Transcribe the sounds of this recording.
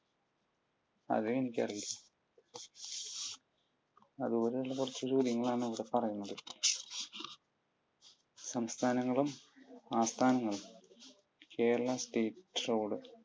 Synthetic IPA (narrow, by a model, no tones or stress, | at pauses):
ɐ̰ðuenikʲːɐ̰rijilːɐ | ɐðɨoɾeɭːɐkurɐt͡ɕːuɾuːðjɐŋːɐɭaːɳɨɐʋiɽe̞pɐrɐjunːɐðɨ | sɐmst̪ʰaːnɐŋːɐɭumaːst̪ʰaːnɐŋːɐɭum | kʰe̞ːɐɭɐsʈeːʈːro̞ːɽɨ